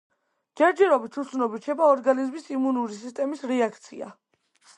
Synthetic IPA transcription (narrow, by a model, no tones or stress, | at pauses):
d͡ʒɛɾd͡ʒɛɾɔbit̪ʰut̪sʰnɔbit͡ʃʰɛbaɔɾɡanizmisimunuɾis̬ist̪ʼɛmisɾɛakʰt̪sʰḭa̰